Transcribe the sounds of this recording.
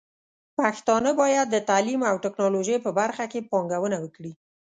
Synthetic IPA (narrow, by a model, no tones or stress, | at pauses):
paxt̪ɑnəbɑjad̪̚ːət̪alimawʈɪknɑloʒəjpəbaɾxakepɑŋɡawənawəkɽi